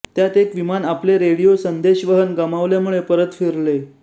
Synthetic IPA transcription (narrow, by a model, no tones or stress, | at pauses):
t̪jat̪ekʋimanapleɾeɽijosənd̪eɕʋəɦənɡamaʋljamuɭepəɾət̪fiɾle